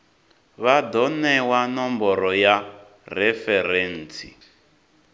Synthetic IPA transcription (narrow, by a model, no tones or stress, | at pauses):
βadɔnɛwanɔmbɔɾɔja | rɛfɛɾɛːnt͡sḭ